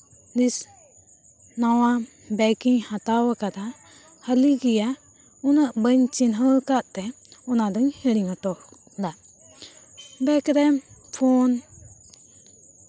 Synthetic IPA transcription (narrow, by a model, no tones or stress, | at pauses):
dis | nawa | bɛkiŋhat̪awakat̪a | haliɡija | unaʔbəɲt͡ʃinɦəkat̪t̪ɛ | unadɯŋheɾiŋat̪ɔ | da | bɛkɾɛmfʰɔn